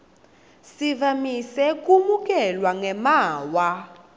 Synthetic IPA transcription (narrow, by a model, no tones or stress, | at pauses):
sivamisɛk̬ʼumuk̬ʼɛlwaŋɛmaːwa